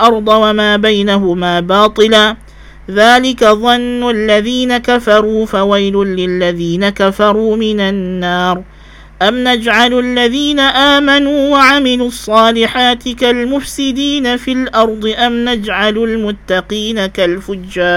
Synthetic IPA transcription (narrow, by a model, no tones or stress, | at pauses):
lʔɑɾˤd̪ˤɑwamaːbajnaɦʊmaːbɑːt̪ˤɨlaː | ðaːlɪkaðˤɑnːʊlːaðiːnakafɑɾˤuːfawajlʊlːɪlːaðiːnakafɑɾˤuːmɪnanːɑːɾ | ʔamnad͡ʒʕallːaðiːnaʔaːmanuːwaʕamɪluɑsˤːɑːlɪħaːt̪ɪkalmʊfsɪd̪iːnafɪlʔɑɾˤd̪ˤɨʔamnad͡ʒʕalʊlmʊt̪ːɑqiːnakalfʊd͡ʒːaːɾ